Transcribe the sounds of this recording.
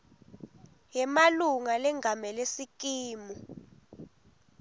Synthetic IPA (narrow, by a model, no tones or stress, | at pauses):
jɛmaluŋalɛŋʱamɛlesik̬iːmu